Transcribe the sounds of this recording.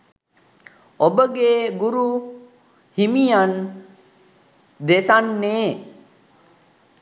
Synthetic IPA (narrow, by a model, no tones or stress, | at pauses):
obəɡeːɡuɾu | himijan | d̪esanːeː